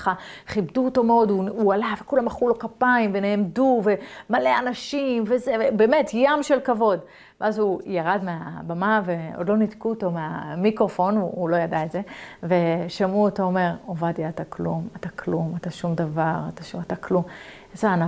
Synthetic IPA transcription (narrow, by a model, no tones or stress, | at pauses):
χaχibduːto̞meo̞duualavekulamaχulo̞kapaimve̞neːmduve̞maleanaʃimvezevebeːmetjamʃe̞lkavo̞d | veʔazujaʁadmeabamave̞o̰dlo̞nidkuːto̞meamikʁofo̞nuːlo̞jadaetze̞ve̞ʃamuotaome̞ʁovadiat̪aklṵmat̪akʰlumat̪aʃumd̪avaʁat̪aʃuataklum | zaana